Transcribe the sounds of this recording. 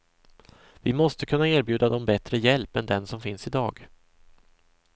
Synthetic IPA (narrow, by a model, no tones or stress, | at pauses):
vɪmɔst̪əkʰɵnːaeːɾbjʉ̟ːd̪ad̪ɔmbɛt̪ɾəjɛlpɛnd̪ɛnsɔmfɪnsɪd̪ɑːɡ